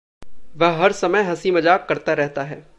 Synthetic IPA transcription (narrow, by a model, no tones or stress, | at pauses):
ʋɐɦɦɐɾsɐməjɦɐsimɐd͡ʒaːkkɐɾt̪aɾɛɦt̪aɦɛː